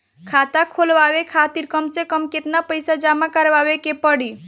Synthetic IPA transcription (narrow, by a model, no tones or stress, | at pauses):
kʰat̪akʰolʋabekʰat̪iɾkəmsẽkəmket̪napəjsad͡ʒamakəɾʋaβekepəɽi